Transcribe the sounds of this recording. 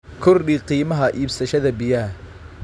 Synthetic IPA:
kʰʊrɗiːqiːmɐɦɐʔiːbsɐʃɐðɐbɪjɐ

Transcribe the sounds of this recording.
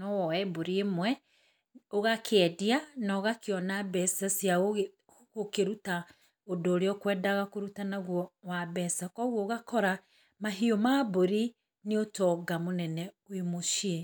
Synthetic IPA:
nɔwɔɛboɾiemwɛ | oɣakʰɛdianaɣakeɔnabɛsasja | ɣokeɾuta | odoːɾeɔkwɛːdaɣakoɾutanaɣwɔwabɛsakɔɣwɔːɣakɔɾa | maɦiomaboɾi | neotɔɡamonɛnɛwemoʃie

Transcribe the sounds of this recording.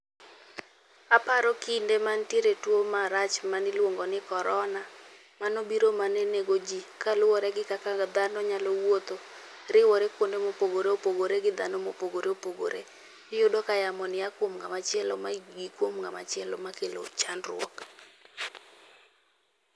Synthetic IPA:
apaɾɔkindemantieɾetwomaɾat͡ʃmanɪlwoŋɡɔnɪkɔɾɔna | manobiɾomaneneɡod͡ʒikalʊwɔɾɛɡɪkakad̪anɔɲalɔwot̪o | ɾɪwɔɾɛkwondemopoɡoɾeopoɡoɾeɡɪd̪anɔmopoɡoɾeopoɡo̰ɾḛ | jʊdɔkajamɔnɪjakwomŋamat͡ʃɪɛlɔmaɡikwomŋama̰t͡ʃɪɛlɔ̰makelo̰t͡ʃanrwɔ̰k

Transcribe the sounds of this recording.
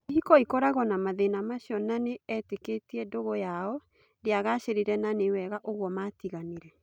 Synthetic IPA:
iɦikɔikɔɾaɣɔnamaðenamaɕjɔnaneɛteketiɛndoɣɔjaɔ | deaɣaɕeɾiɾɛnanewɛɣaʔoɣwɔmatiɣaneɾɛ

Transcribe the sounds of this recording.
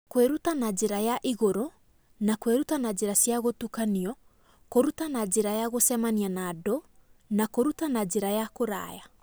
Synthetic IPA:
kweɾutanad͡ʒeɾajaʔiɣoɾo | nakweɾutanad͡ʒeɾasiaɣotukaniɔ | koɾutanad͡ʒeɾajaɣosɛmanianadonakoɾutanad͡ʒeɾajakoɾa̰ːja

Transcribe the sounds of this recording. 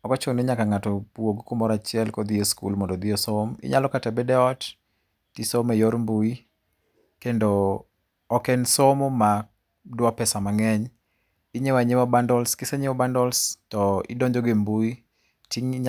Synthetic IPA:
ɔkɔt͡ʃoŋneɲakaŋatɔpwoɡkumɔɾat͡ʃɪɛlkɔd̪ɪoskṵlmɔndɔd̪ɪosomɪ̰ɲalɔkatabedɛɔt | tisomejoɾmbui | kendoː | kɛnsomoma | dwɔpɛsamaŋɛɲ | ɪɲewaɲewɔbandɔlskɪseɲɪwɔbandɔlstɔɪ̰doɲd͡ʒoɡembui | tiŋɲ

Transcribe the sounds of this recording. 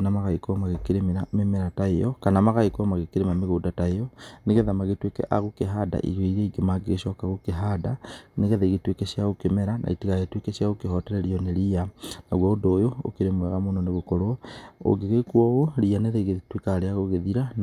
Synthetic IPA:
namaɣaikɔmaɣekeɾemeɾamemɛɾataejɔ̰kanamaɣaikɔmaɣekeɾemameɣoːdataejɔneɣɛðamaɣetwekɛ̰ʔa̰ɣokeɦada̰ʔḭɣoiɾeiɡemaɡeɣeʃɔkaɣokeɦadaneɣɛðaiɣetwekeʃjaɣokemɛɾanʔa̰itiɣaɣetwekeʃjaɣokehɔtɛɾɛɾiɔneɾianaɣwɔːdoːjoo̰keɾemwɛɣamonɔneɣokɔɾoo̰ɡeɣekwɔɣoɾianeðaiɣetwekaɾeaɣoɣeðiɾan

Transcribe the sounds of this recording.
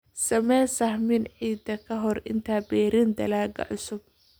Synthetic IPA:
sɐmɛːsɐhmɪnʕiːd̪ɐkʰɐɦɔrɪ̰nt̪ʰaːbɛːɾɪnd̪ɐ̰laːɡɐ̰ʕʊsʊb̚

